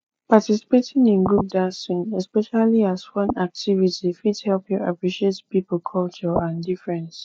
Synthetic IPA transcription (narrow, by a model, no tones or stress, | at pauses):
patisi̥petɪ̃ŋĩnɡɹup̚dãsĩnɛspɛʃaliazfʌ̃nak̚tʰivitifidhɛlpjuʔa̰pɹiʃietpipl̩ˠkʰɔlt͡ʃɔãndifɹɛ̃ns